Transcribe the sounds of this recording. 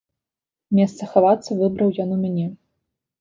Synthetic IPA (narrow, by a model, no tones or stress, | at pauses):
mʲɛst̪sɐxavat̪sːɐvɨbɾɐwjɔnumʲanʲɛ